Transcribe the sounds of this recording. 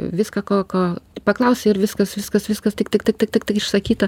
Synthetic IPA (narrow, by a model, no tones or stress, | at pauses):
ʋʲɪskɐkoːkoːpɐklˠɐʊsʲeɪɾʋʲɪskɐsʋʲɪskɐsʋʲɪskɐst̪ʲɪkt̪ʲɪkt̪ʲɪk̚t̪ʲɪk̚t̪ʲɪkt̪ɪkɪʃsɐkʲiːt̪ɐ